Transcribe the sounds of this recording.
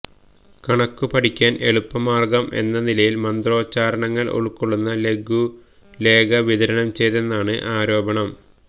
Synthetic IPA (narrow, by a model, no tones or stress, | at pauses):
kɐɳɐkːupɐʈʰikʲːaːnʔe̞ɭupːɐmaːrɡɐmʔe̞̰nːɐnilɐjilmɐnd̪ro̞ːt͡ɕːaːɾɐɳɐŋːɐɭʔo̰ɭukːuɭːunːɐle̞ɡʱu | le̞ːɡɐʋid̪ɐɾɐnɐmt͡ɕe̞jt̪enːaːɳɨʔaːɾo̞ːbɐɳɐm